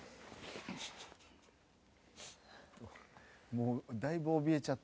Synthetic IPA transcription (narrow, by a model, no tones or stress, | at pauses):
t̪omod̪ajbɔbiet͡ʃat̪